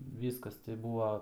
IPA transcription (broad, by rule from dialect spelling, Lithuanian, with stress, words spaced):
ˈʋʲiːskɐs tɐɪ ˈbuːʋɐ